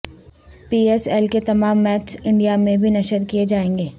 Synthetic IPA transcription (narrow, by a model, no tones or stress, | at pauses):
piːɛːsɛlket̪ɐmaːmːɛːt͡ʃɪ̃ɳɖijamẽbʱinɐʃəɾkijed͡ʒaːẽːŋɡeː